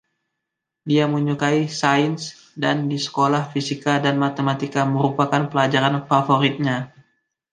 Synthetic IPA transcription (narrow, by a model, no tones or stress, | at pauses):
diaməɲukaisains | dandisə̥kolahfisikadanmat̪emat̪ikaməɾupakanpəlad͡ʒaɾanfafoɾit̪̚ɲa